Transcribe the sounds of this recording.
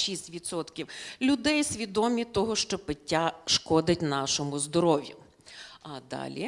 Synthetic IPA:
ʃisʲtʲʋʲit̪sɔt̪kʲiwlʲʊd̪ɛjsʲʋʲid̪ɔmʲit̪ɔɦɔʃt͡ʃɔpɪtʲːaʃkɔd̪ɪtʲnɑʃɔmʊzd̪ɔɾɔʋʲjʊ̰ | ɐd̪ɑ̰lʲḭ

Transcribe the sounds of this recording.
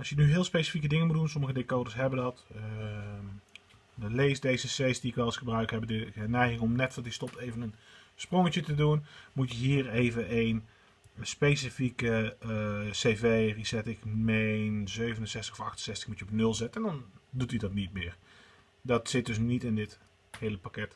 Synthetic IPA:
ɑlˠsjənyɦɪːlˠspejsi̥fikədɪŋənmutdunsɔməɣədekowdəɹsɦɛbədɑtə | dlejsdejzəsesdiɪkʋɛlˠəsχəbrœɥkɦɛbdəənɛjχɪŋɔmnɛtʋɑtistɔp̚tejvənənsproŋətjətədunmutjəɦiːrejvənʔejn | spejsəfikə | sejvejrisɛtɪkmenzøɥvənənsɛstəxɔfɑxtənsɛstə̥xmutjəɔpnɵlˠzɛtəndɑndutidɑtnit̚mɪːr | dɑtsɪt̚dɵs̬nitɪndɪt | hejləpakɛt

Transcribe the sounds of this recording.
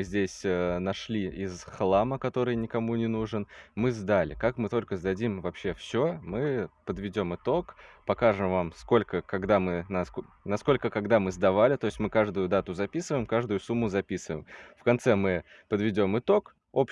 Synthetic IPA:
ɨzʲdʲesʲənɐʂlʲiɪzxlˠaməkɐt̪o̞ɾɨjnʲɪkɐmunʲɪnuʐɨnmɨzd̪alʲɪ̰kakmɨt̪o̞lʲkəzd̪ɐdʲimvɐpɕːe̞fsʲomɨpəd̪vʲɪdʲo̞mɨt̪o̞kpɐkaʐɨmvamsko̞lʲkəkɐɡd̪amɨnɐsk | nɐsko̞lʲkəkɐɡd̪amɨzd̪ɐvalʲɪt̪o̞ɪsʲtʲmɨkaʐd̪ʊjʊd̪at̪ʊzɐpʲisɨvəjɪmkaʐd̪ʊjʊsumːʊzɐpʲisɨvəjɪmfkɐnt̪sɛmɨ | pəd̪vʲɪdʲo̞mɨt̪o̞k | op

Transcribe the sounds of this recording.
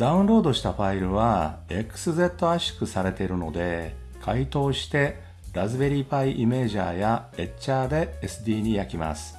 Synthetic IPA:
d̪aɯ̟̃nɾo̞ːd̪o̞ɕi̥t̪aɸaiɾɯ̟β̞ae̞kɯ̥sɨze̞t̪ːo̞aɕi̥kɯ̟saɾe̞t̪e̞ɾɯ̟no̞̰d̪e̞ | kʰait̪o̞ːɕi̥t̪e̞ | ɾazɨbe̞ɾʲiːpaiʔime̞ːʑa̰ːjae̞t͡ɕːaːd̪e̞ːsɨd̪ʲiːɲ̟ijakʲima̰sɨ̥

